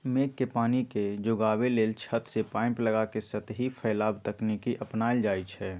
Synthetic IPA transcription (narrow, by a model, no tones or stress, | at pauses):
meːkːepaːniked͡ʒoɡaːweleːlt͡ʃʰət̪sepaːɪ̃mpləɡakesət̪ɦipʰəɪlaːbt̪əknikiʔəpnaːjd͡ʒaːjt͡ʃʰɛː